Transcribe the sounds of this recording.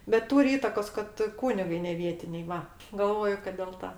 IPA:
bʲɛt ˈtuːrʲɪ ˈiːtɐkoːs kɐt ˈkuːnʲɪɡɐɪ nʲɛˈʋʲiɛtʲɪnʲɛɪ ˈʋɐ ɡɐlˠˈʋoːjʊ kɐt dʲɛlˠ ˈtɐ

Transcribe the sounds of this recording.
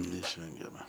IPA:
nʲɛɪʃʲˈʋʲɛŋʲɡʲɛmɐ

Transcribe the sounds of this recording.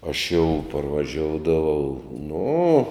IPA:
ɐʃ jɛʊ pɐrʋɐˈʒʲoːʊdɐʋɐʊ nʊ

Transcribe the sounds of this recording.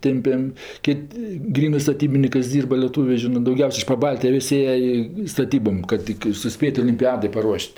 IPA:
ˈtʲɛmʲpʲɛm ˈkʲɪtʲ ˈɡrʲiːnɜ stɐˈtʲiːbʲɪnʲɪkɜs ˈdʲiːrbɐ lʲiɛˈtuːʋʲeː ˈʒʲɪnɜ dɐʊˈɡʲɛʊsʲ ɪʃ pɐˈbɐlʲtʲɪjoː ˈʋʲɪsʲ ˈeːjɛ ɪ stɐˈtʲiːboːm kɐt ˈtʲɪk ɪr sʊˈsʲpʲeːtʲ oːlʲɪmʲˈpʲæːdɜ pɐˈruɔʃʲtʲ

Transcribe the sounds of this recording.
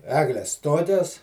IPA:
ˈæːɡlʲɛs ˈtoːkʲɛs

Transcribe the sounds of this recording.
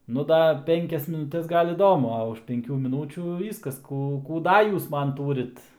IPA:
nʊ ˈdɐ ˈpʲɛŋʲkʲɛs mʲɪnʊˈtʲɛs ˈɡɐlˠ ɪˈdoːmʊ ɐ ʊʃ pʲɛŋʲˈkʲuː mʲɪˈnuːt͡ʃʲuː ˈʋʲiːskɐs ˈkuː kuː ˈdɐ ˈjuːs ˈmɐn ˈtuːrʲɪt

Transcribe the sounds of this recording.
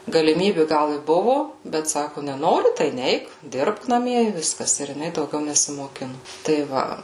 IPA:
ɡɐlʲɪˈmʲiːbʲɪ ˈɡɐlˠ ɪ ˈbʊʋʊ bʲɛt ˈsɑːkʊ nʲɛˈnoːrʲɪ tɐɪ ˈnʲɛɪk ˈdʲɪrpk nɐˈmʲiɛ ɪ ˈʋʲɪskɐs ˈɪr jɪˈnɐɪ dɐʊˈɡʲɛʊ nʲɛsʲɪmoːˈkʲɪnʊ tɐɪ ˈʋɐ

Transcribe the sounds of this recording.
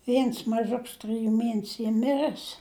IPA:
ˈʋʲiɛns mɐˈʒʊks trɨˈjuː ˈmʲiɛnʲɛsʲʊ ˈiː ˈmʲɪrɜs

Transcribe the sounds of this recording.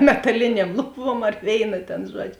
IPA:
mʲɛtɐˈlʲɪnʲeːm ˈlˠʊˌbuɔm ɐr ˈʋʲeːɪnɐ ˈtʲeːn ˈʒuɔd͡ʒʲoː

